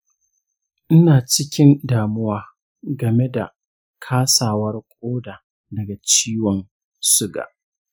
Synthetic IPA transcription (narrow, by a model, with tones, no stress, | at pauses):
ʔɪ˦naː˨t͡ʃɪ˦kʲɪ˦ndaː˨mʊ˦waː˦ | ɡɐ˨me˦da̰˨ | kʰaː˦saː˨wɐ˦rkʷʼoː˦daː˨ | dɐ˨ɡa˨t͡ʃiː˦wɔ˨n | sʊ˦ɡa̰ː˨ʔ